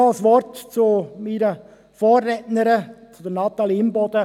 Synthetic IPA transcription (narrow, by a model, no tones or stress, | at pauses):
ɑsʋɔɾtt͡sʊminə | fɔːrːɛtnəɾət͡sʊd̪ənɑt̪ɑlimbɔd̪̥ə